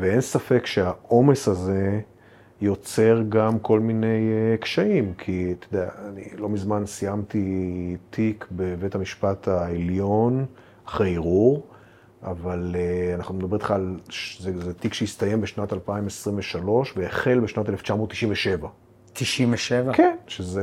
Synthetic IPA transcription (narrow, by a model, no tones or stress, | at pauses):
vee̞nsafekʃeaʔo̞me̞shaze̞ | jo̞t͡se̞ʁɡamko̞lmine̞jkʃaimkʰit̪ed̪ea̰ːnḭlo̞mizmansijamt̪itʰikbeve̞thamiʃpatʰaeljo̞n | aχʁejiʁuʁ | avaleanaχnumedabet̪χaːlzezetikʃejist̪aje̞mbeʃnatalpaimesʁimveʃalo̞ʃveeχe̞lbeʃnateleft͡ʃamot̪ːiʃimveʃe̞va | t̪iʃimveʃevakenʃeze